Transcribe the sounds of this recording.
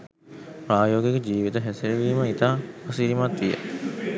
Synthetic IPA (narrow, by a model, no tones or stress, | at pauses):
pɾaːjoːɡjekəd͡ʒiːʋit̪əɦɛseɾeʋiːməit̪aːɐsiɾimat̪ʋijə̰